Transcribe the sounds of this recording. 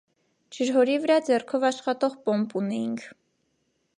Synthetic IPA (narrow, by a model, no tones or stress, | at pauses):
t͡ʃʰəɾɦɔɾivəɾɑd͡zɛrkʰɔvɑʃχɑt̪ɔʁpɔmpunɛjiŋkʰ